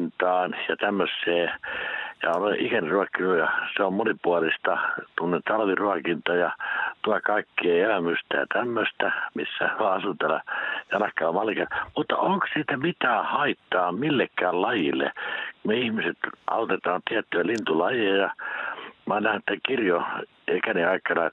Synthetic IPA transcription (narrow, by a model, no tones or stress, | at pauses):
nt̪ɑːnjɑt̪æmːøsːeː | jɑ̰oleʔʔikæniruɑkːinujɑseommonipuɑlist̪ɑt̪umːonet̪ɑlʋiruɑkint̪ɑjɑt̪uɑkɑikːeːelæmyst̪æjɑ̰t̪æmːøst̪æmḭsːæɑɑsut̪elːɑ̰jɑnɑkːˑɑːmɑlikɑmut̪ːɑ̰oŋkssiːt̪æmit̪æːhɑit̪ːɑːmilːekːæːllɑjilːḛkumeihmiset̪ʔɑ̰ut̪et̪ɑːnt̪iæt̪ːyælint̪ulɑjeːjɑ | mɑinæhnet̪ːækirjo | ikæniɑikɑnɑ